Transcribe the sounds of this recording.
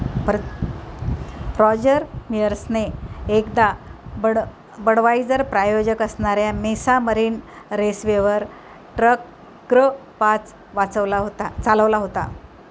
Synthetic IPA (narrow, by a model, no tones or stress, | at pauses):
p | pɾɔd͡ʑəɾmijəɾsneːkd̪abəɽ | bəɽʋaid͡zəɾpɾajod͡ʑəkəsɳaɾjamesaməɾiːnɾesʋeʋəɾ | ʈɾək | ɡɾə | pat͡s | ʋat͡səʋlaɦot̪at͡saləʋlaɦot̪a̰